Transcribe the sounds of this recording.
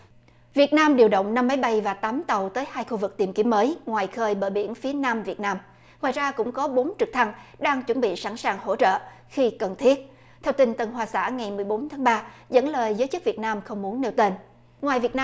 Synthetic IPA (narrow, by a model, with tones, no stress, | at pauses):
vi˨˩ət̚naː˧mɗi˨˩əwɗə̰˧˨wŋ͡mna˧mːa˨˦jɓa˧jvaː˨˩t̪aː˨˦mt̪ə˨˩wt̪əː˨˦jhaː˧jxu˧vɨ˨˩k̚t̪i˨˩mki˨˦əməː˨˦jŋwaː˨˩jxəː˧jɓəː˧˩ɓḭ˧˩ənfi˨˦ənaː˧mvi˨˩ət̚naː˧m | ŋwaː˨˩jzaː˧kʊ̰˧˥ŋ͡mkɔ˨˦ɓo˨˦nt͡ɕɨ˨˩k̚t̪ʰa˧ŋɗaː˧ŋt͡ɕwə˧˩nɓḭ˧˨sa̰ː˧˩nsaː˨˩ŋho̰˧˥t͡ɕə̰ː˧˨ | xi˧kə˨˩nt̪ʰi˦˥ət̚ | t̪ʰɛ˧wt̪ï˧˩ŋ̟t̪ə˨˩nɦwaː˨˩sa̰ː˧˥ŋa˨˩jmɨ˨˩əjɓo˨˦nt̪ʰaː˨˦ŋɓaː˧zə̰˧˥nləː˨˩jzəː˨˦jt͡ɕɨ˦˥k̚vət̚naː˧mxə˧wŋ͡mmu˨˦ənːe˧wt̪e˧n | ŋwaː˨˩jvi˨˩ət̚na˧